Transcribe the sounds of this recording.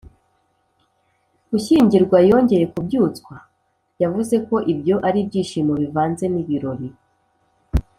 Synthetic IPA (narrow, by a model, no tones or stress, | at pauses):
uçiːɲɟiɾɡwajo̞ːɲɟe̞je̞kubɟuːt͡skwa | javuze̞ko̞ʔibjo̞ʔaɾibɟiːʃiːmoβivaːnze̞niβiɾo̞ɾi